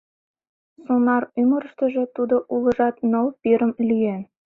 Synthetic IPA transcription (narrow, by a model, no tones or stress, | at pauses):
sonɑryməɾə̆ʃt̪ə̆ʒĕt̪ud̪oʔulɤ̆ʒɑt̪nəlpiɾə̆mlʲyjen